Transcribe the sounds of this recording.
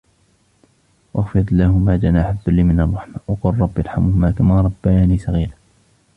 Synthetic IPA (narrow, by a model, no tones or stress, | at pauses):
wʔaxfɪɾtlːahʊmaːd͡ʒanaːħaðːʊlːɪmɪnɑrˤːɑħmawɑqʊlˤːɑbːiʔɑɾˤħamʊhʊmaːkamaːɾˤɑbːaaːniːsaɣiːla